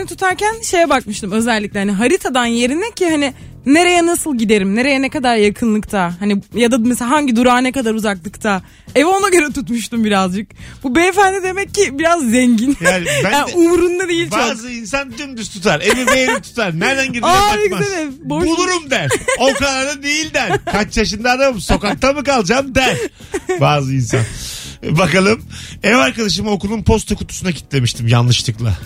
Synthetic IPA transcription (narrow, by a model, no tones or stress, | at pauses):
nit̪ʰut̪ʰaɾcænʃe̞jɛbak̚mɯʃt̪ʰɯmø̞zɛlʲːic̚lʲɛhaniɦaɾit̪ʰad̪anje̞ɾinɛcʰːihani | neɾe̞jɛnasɯlˠɟid̪e̞ɾimne̞ɾe̞jɛnekad̪aɾjakʰɯnlˠɯkt̪ʰaɦanijad̪ameselaɦaɲɟid̪uɾaːnɛkad̪aɾuzaklˠɯkt̪ʰa | evo̞naɟø̞ɾɛt̪ʰut̪muʃt̪umbiɾazd͡ʒɯkbubejfænd̪ɛd̪e̞mɛcːibiɾazːɛɲɟinjaːnibæaumɾund̪ad̪ejilʲbaːzɯins̬and͡ʒynd̪yst̪ʰut̪ʰaɾemibejeit̪ʰu̥t̪ʰaɾnæɾnaɲɟid̪aaekmaed̪ɛboulˠuɾumd̪æɾokaɾaɾd̪ad̪ejilʲd̪æɾkʰat͡ʃjaʃɯnd̪ad̪amɯmso̞kak̚t̪abɯkalˠd͡ʒamd̪æɾ | baːzɯinsa̰nbakalˠɯmevaɾkad̪aʃ̬ɯmao̞kulˠunpʰo̞st̪ʰakut̪ʰu̥sunacʰi̥t̪lʲe̞miʃt̪ʰimja̰nlˠɯʃt̪ʰɯklˠa̰